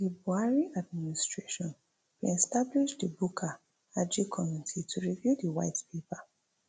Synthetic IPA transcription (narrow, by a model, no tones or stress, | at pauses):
libuaɹiad̚ministɹeʃɔ̃n | wiɛstabliʃdəbukʰa | ad͡ʒikʰɔminitʰitʰuɹivjudəwa̰ɪtpʰepa